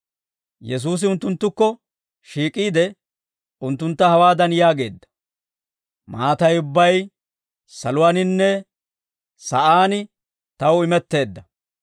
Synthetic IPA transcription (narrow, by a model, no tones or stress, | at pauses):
jɛs̬uːs̬ɪʊnt̪ːʊnt̪ːʊkːɔ | ʃiːkʼiːd̪ɛ | ʊnt̪ːʊnt̪ːɐhɐwaːd̪ɐnjaːɡe̞ːd̪ːɐ̥ | maːt̪ɐjʊbːɐj | sɐlʊwɐnɪnːɛ | sɐʔaːnɪ | t̪ɐwɪmɛt̪ːe̞ːd̪ːɐ